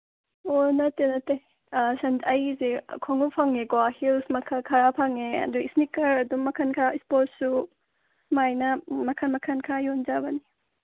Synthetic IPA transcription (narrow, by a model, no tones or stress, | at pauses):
onɐtːenɐte | sɐndɐjzḛkʰoŋupʰaŋeɡoahilsmɐkʰakʰaɾapʰaŋeɐ̰duisnikɐɾɐdumːɐkʰɐnkʰaispot̚su | majnɐmɐkʰɐnmɐkʰɐnkʰajond͡ʒabɐni